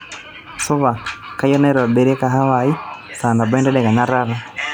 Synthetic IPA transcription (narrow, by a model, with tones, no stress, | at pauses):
sɔ˦βa˨ka˦jɔ˦na˦i˦ɾa˨bɛ˨ɾɛ˦ka˨ɦa˦wa˨i˦ta˨nda˨ba˦ndɛ˦ɗɛ˨ka˨na˦ɾa˦ɾa˦